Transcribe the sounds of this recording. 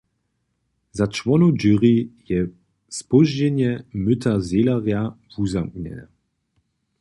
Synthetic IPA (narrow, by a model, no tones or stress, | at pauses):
zat͡ʃvɔnud͡ʒyʁijɛ | spɔʒd͡ʑɛɲjɛmʏtʰazelaʁjavuzamkɲɛ̰nɛ